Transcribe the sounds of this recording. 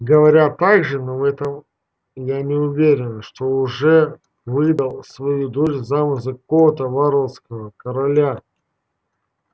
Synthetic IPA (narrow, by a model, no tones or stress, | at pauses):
ɡəvɐɾʲat̪aɡʐɨnovɛt̪əm | janʲɪʊvʲeɾʲɪnʂt̪oʊʐɛ | vɨd̪əlˠsvɐjud̪oʃzamɨzəkot̪əvaɾoskəvəkəɾɐlʲa